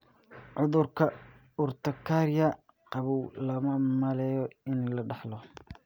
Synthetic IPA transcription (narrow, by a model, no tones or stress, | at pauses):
ʕʊðʊrkʰɐ | ʊrt̪ʰɐkʰaːɾjɐ | qɑβuwlɐmɐmɐlɛːjɔɪnɛlɐɖɑħlɔ